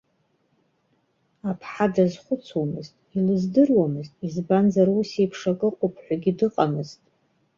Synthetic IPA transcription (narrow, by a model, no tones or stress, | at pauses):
apʰħadazχʷʊt͡sʰomɨztʼilɨzdɨrwamɨztʼizbanzaɾusepʰʂakʼɨqʷʼʊpʰħʷᶣaɡʲidɨqʼamɨztʼ